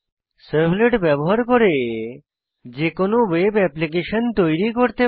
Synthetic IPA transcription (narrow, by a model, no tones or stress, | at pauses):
səɾbleʈbɛboɦaɾkoɾe | d͡ʑekonowebɛplik̬eʃont̪ojɾikoɾt̪e